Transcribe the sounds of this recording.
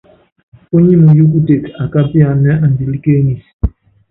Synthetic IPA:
o˦ɲi˦mu˨jo˦k̬u˦te˨ka˨ka˦pi˦a˨nɛ˦ʔa˨n˨di˨li˦ke˦ni˨s

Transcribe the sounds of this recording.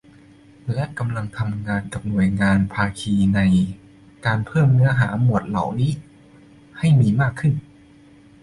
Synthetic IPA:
lɛ˦˥ʔka˧mla˧ŋt̪ʰa˧mŋaː˧nka˨˩p̚nu˨˩əjŋaː˧npʰaː˧kʰiː˧na˧j | kaː˧npʰɤː˥˩mnɯ˦˥ɐɦa̰ː˩˦mu˨˩ət̪̚la̰˩˦wniː˦˥ | ha˥˩jmiː˧maː˥˩kʰːɯ˥˩n

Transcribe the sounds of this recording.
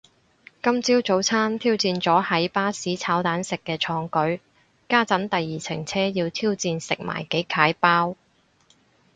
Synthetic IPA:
kɐ˥mt͡siː˥wt͡so˨˥wt͡sʰaː˥nt̪ʰiː˥wt͡siː˧nt͡sɔː˨˥hɐ˨˥jpaː˥siː˨˥t͡sʰaː˨˥wt̪aː˨˥nsɪ˨kːɛː˧t͡ʃʰɔː˨˧ŋkɵ˨˥ɥ | kaː˥t͡sɐ˨˥nt̪ɐ˨jːiː˨t͡sʰɪ˨˩ŋt͡sʰɛː˥jiː˧wt̪ʰiː˥wt͡siː˧nsɪ˨k̚ma̰ː˨˩jke˨˥jkʰaː˨˥jpaː˥w

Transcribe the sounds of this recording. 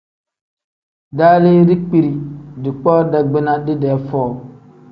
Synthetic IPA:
da˦li˦ɾi˦k͡pi˦ɾi˨di˨k͡pɔː˦da˨ɡ͡bi˦na˦di˦dɛ˨˦fɔː˦˨

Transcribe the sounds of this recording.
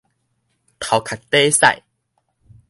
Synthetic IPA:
t̪ʰa˨˩wkʰa˨˩t̪e˦sa̰˥˧˨j

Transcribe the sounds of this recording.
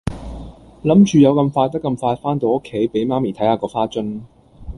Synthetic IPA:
lɐ˨˥mt͡ʃyː˨˧jɐ˨˧wkɐ˧mfaː˧t̪ɐ˥kːɐ˧mfaː˧tfaː˥nt̪o˨˧wo˥kʰːe˨˥jpe˨˥jmaː˥miː˨˩t̪ʰɐ˨˥jhaː˨˧kɔː˧faː˥t͡ʃɵ˥n

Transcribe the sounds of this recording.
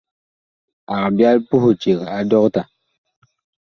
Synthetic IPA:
a˨kbja˦lpu˦hu˨t͡ʃe˨ka˨dɔ˦kta˨

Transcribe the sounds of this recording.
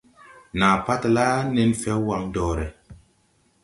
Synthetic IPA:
na˨pa˦tla˦ne˨nfɛ˦wa˨ŋdɔː˨ɾe˨

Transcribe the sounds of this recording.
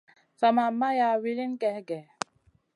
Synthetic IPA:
sa˨ma˨ma˦ja˨wi˦li˦nkɛ˨˦ɡɛ˨

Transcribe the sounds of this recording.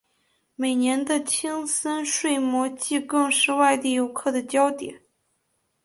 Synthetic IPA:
me˨˩ɪnjɛ˧˥nd̪ə˧t͡ɕʰi˥ŋsə˥nʂwe˥˩ɪmwɔ˧˥t͡ɕi˥˧kɤ˥˧ŋʂɻ̩˥˧wa˥˧ɪt̪i˥˩jo˧˥ʊkʰɤ˥˩d̪ə˩t͡ɕjɑ˥ʊt̪jɛ̰˨˩˦n

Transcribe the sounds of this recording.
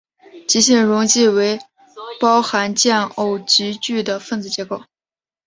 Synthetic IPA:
t͡ɕi˧˥ɕi˥˩ŋɻʊ˧˥ŋt͡ɕi˥˩we˧˥ɪ | pɑ˥ʊxa˧˥nt͡ɕjɛ˥˩no˨˩ʊt͡ɕi˧˥t͡ɕy˥˩d̪ə˩fə˥˧nt͡sɹ̩˥˩t͡ɕjɛ˧˥ko˥˩ʊ

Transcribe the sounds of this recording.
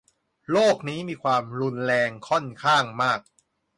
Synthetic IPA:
loː˥˩k̚niː˦˥miː˧kʰwaː˧mɾu˧nɾɛː˧ŋkʰɔ˥˩nkʰaː˥˩ŋmaː˥˩k̚

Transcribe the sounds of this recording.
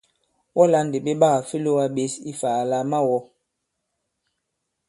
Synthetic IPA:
wɔ˦la˦n˨de˨ɓe˦ɓa˦˨a˨fi˦lo˦wa˦ɓe˨˦si˦faː˨la˦ma˦wɔ˦

